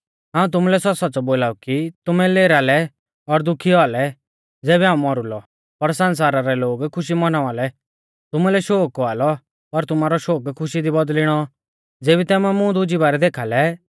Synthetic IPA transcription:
ɦãːũt̪̬ʊmulɛsɔsɔːt͡sɔboːlaːukit̪ʊmɛleːɾaːlɛ | ɔɾd̪ʊkʰialɛ | d͡zɛːβɛɦaːũmɔɾʊlɔ | pɐɾsɐns̬aːɾaɾɛloːɡkʰʊʃ̬imɔnaʋaːlɛ | t̪ʊmulɛʃoːkɔaːlɔ | pɐɾt̪ʊmaːɾɔʃoːkkʰʊʃid̪ibɐd̪lɪɽ̃ɔ | d͡zeːbit̪ɛːmamʊ̃d̪ʊd͡ʒibaːɾɛd̪eːkʰaːlɛ

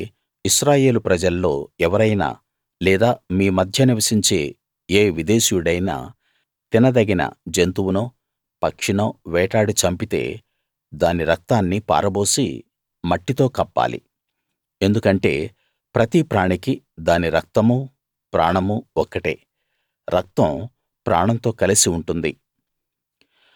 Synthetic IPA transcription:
iʃɾaːje̞ːlupɾɐd͡ʒɐlːo̞ːɛʋɐɾɐjna̰ː | lɛːd̪aːmiːmɐd̪ʱjɐniʋɐsiɲt͡ʃe̞ː | eːʋid̪e̞ːʃijuɽɐjna̰ː | t̪inɐd̪ɐɡinɐ̰d͡ʒent̪uwunoː | pɐkʂiɳoʋɛːʈaːɽit͡ʃɐmpit̪e̞̰ː | d̪aːniɾɐk̚t̪aːnːipa̰ːɾɐbo̞ːsḭ | mɐʈːit̪o̞ːkɐpːa̰ːlḭ | e̞nd̪ukɐɳʈe̞̰ː | pɾɐt̪ipɾaːɳiki | d̪aːniɾɐk̚t̪ɐmu | pɾa̰ːɳɐmuɔkːɐʈḛː | ɾɐk̚t̪ɐ̃m | pɾa̰ːɳɐnt̪o̞ːkɐlisiuɳʈund̪i

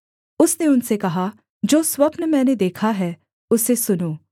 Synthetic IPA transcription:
ʊsneʊnsekɐɦa | d͡ʒoːswɐpnəmɛ̃ːned̪eːkʰaɦɛː | ʊsesʊnoː

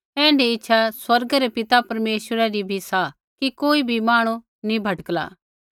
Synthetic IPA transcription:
ɛ̃ːɳɖiɪtːʃʰaswɐɾɡəɾepɪt̪apɐɾmeːʃwəɾɛɾibʱisa | kikoːibʱimaːɽ̃ũ | nĩbʱɐʈkla̰ː

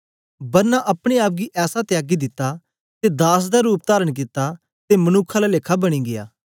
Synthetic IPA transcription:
bɐɾnaʔɐpɽ̃eaːp̬̚ɡiʔɛːsat̪ɪjaːɡid̪ɪt̪ːa | t̪ed̪aːs̬d̪aɾuːp̚t̪aːɾəɽk̬ɪt̪ːa | t̪emɐnʊːkʰalaleːkʰabɐɽ̃iɡɪja̰ː

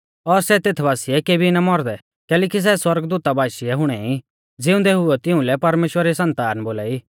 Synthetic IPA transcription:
ɔːɾsɛt̪eːt̪ʰbaːsɪɛkeːbʱinamɔɾd̪ɛ | kɛːlɛːkis̬ɛswɐɾɡd̪uːt̪abaːʃiɛɦʊɽ̃ɛi | d͡zɪʊ̃nd̪ɛɦʊɛt̪ɪʊ̃lɛpɐɾmeːʃwəɾisɐ̃nt̪aːnboːla̰ːiː

